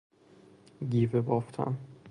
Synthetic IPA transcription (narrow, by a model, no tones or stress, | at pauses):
ɡiːvebɒːft̪ʰæ̰m